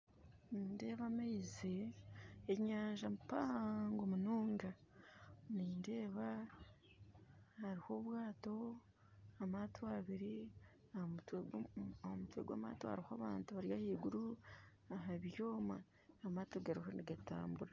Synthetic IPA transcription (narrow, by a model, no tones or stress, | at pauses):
niːnde̞ːβamaize | eɲaːɲʒamupaŋɡomunuːŋɡa | niːnde̞ːβa | haɾiho̞βwaːto̞ | amaːtʰoaβiɾi | at | hmutwḛɡwa̰ːma̰ːtoha̰ɾihoa̰βa̰ːntuβaɾjahiːɡuɾu | aɦaβjo̞ːmaː | maːtoɡaɾihoniɡata̰ːmbuɾa